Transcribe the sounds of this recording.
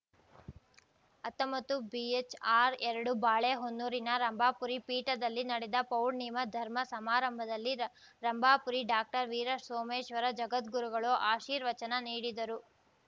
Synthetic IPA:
ɐt̪ːɐmbɐt̪ːubiet͡ʃaːɾɛɾɐɽubaːɭeːɦonːuːɾinɐɾɐmbʱaːpuɾipiːʈɐd̪ɐlːinɐɽɛd̪ɐpɐwɽnimɐd̪ʱɐɾmɐsɐmaːɾɐmbʱɐd̪ɐlːi | ɾɐmbʱaːpuɾiɖaːk̚ʈɐɾʋiːɾɐsoːmeːʃʋɐɾɐd͡ʒɐɡɐt̪ɡuɾuɡɐɭoːʔaːʃiːɾʋɐt͡ʃɐnɐniːɽid̪ɐɾu

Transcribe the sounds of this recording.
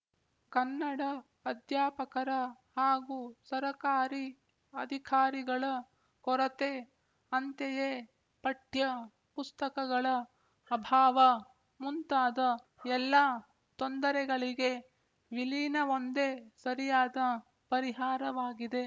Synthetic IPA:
kɐnːɐɽɐː | d̪ʱjaːpɐkɐɾɐ | haːɡusɐɾɐkaːɾi | ɐd̪ʱikʰaːɾiɡɐɭɐ | kɔɾɐt̪e | ɐnt̪ejeː | pɐʈjɐ | pust̪ɐkɐɡɐɭɐː | bʱaːʋɐ | munt̪aːd̪ɐ | ɛlːaː | t̪ond̪ɐɾɛɡɐɭiɡe | ʋiliːnɐond̪esɐɾijaːd̪ɐ | pɐɾiɦaːɾɐʋaːɡid̪e̞

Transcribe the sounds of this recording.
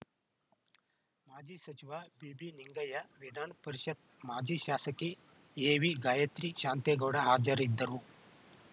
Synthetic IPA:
maːd͡ʒiːsɐt͡ʃiʋabibiniŋɡajaʋid̪anpəɾiɕɐt̪̚ | maːd͡ʑiːɕaːsəki | eʋiɡajɐt̪ɾiːɕaːnt̪eɡɐwɽaɦaːd͡ʒəɾid̪ʱːəɾu

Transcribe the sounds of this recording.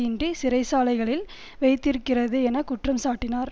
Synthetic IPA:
ɪndrisɪɾɐɪsaːlɐɪɣɐɭɪl | ʋɐɪt̪ːɪɾɯkːɪrɐðɯɛnɐkʊʈrɐmsaːʈːɪnaːɾ

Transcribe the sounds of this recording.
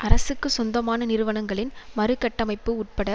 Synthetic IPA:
ʔɐɾɐsɯkːɯsɔnd̪ɐmaːnɐnɪɾɯʋɐɳɐŋɡɐɭɪnmɐɾɯkːɐʈːɐmɐɪpːɯuʈ̚pɐɽɐ

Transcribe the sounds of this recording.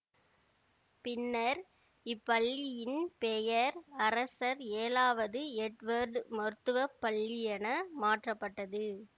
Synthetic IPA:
pɪnːɐɾ | ɪpːɐɭːɪjɪnpejɐɾɐɾɐsɐɾeːlaːʋɐðɯɛʈʋɐɾɖmɔɾɯt̪ːɯʋɐpːɐɭːɪjɐnɐmaːʈrɐpːɐʈːɐðɯ

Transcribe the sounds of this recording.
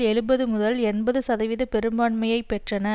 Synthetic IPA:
ɛɻɯbɐðɯmʊðɐlɛnbɐðɯsɐðɐʋɪðɐpɛɾɯmbaːɳmɐjɐɪpɛʈrɐnɐ

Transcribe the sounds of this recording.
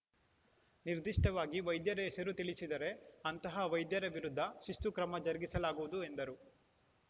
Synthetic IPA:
niɾd̪iʂʈɐʋaːɡiʋɐjd̪jɐɾɛːsɐɾut̪iɭisid̪ɐɾe̞ɐnt̪ɐɦɐʋɐjd̪jɐɾeʋiɾud̪ʱːɐʃust̪ukɾɐmɐd͡ʒɐɾɡisɐlaːɡuʋud̪ue̞nd̪ɐɾu

